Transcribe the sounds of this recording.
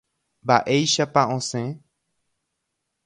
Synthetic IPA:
baʔejʃapaʔõsẽ

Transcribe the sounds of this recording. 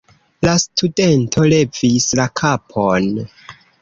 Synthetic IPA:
lastʰude̞ntʰo̞le̞vislakʰapʰon

